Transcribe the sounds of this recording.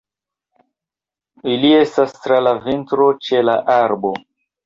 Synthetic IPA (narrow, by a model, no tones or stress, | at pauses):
ilie̞stastɾalavintɾo̞t͡ʃe̞la̰ʔaɾbo̞